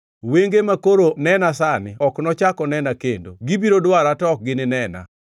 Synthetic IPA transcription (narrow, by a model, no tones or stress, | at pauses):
weŋɡemakoɾonɛnasanɪɔknɔt͡ʃakɔnɛnakendo̰ɡibiɾodwaɾatɔk̚ɡɪnɪnɛna̰